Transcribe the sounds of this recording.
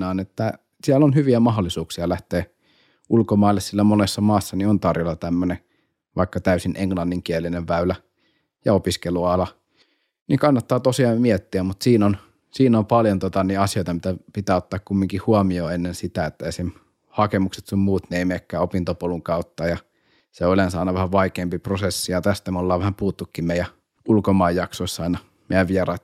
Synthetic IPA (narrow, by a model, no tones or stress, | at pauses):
ɑːnet̪ːæ | siælːonhyʋiæmɑɦolːˑisuːksiɑlæht̪eː | ʔulkomɑˑilːessilːæmonesːɑmɑːsːɑniont̪ɑrjolːɑt̪æmːøne | ʋɑikːɑt̪æysinʔeŋlɑnːiŋkielːineʋʋæylæ | jɑopiskeluɑlɑ | niŋkɑnːɑt̪ːɑːt̪osiɑːmmiet̪ːiæmmut̪siːnon | siːnompɑljont̪ot̪ɑniɑsijoit̪ɑmit̪æpit̪æːot̪ːɑːkkumːiŋkihuɑmioːenːensit̪æet̪ːæeˑisem | hɑkemukset̪summuːt̪neˑimekːæːopint̪opoluŋkɑut̪ːɑːjɑ | seolensɑˑinɑʋæhæʋʋɑikeːmpiprosesːijɑt̪æst̪æmolːɑːʋæhæmpuːt̪ːukːimmeijæ | ulkomɑˑijjɑksoˑisːɑˑinɑ | mejæʋʋiɛrɑˑit̪